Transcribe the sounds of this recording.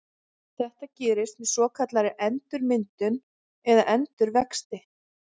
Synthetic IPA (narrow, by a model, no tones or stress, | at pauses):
θɛht̪acɛːɾɪst̪mɛðsɔːkʰat̪laɾɪʔɛnt̪ʏɾmɪnt̪ʏn | ɛðaʔɛnt̪ʏɾvɛkst̪ɪh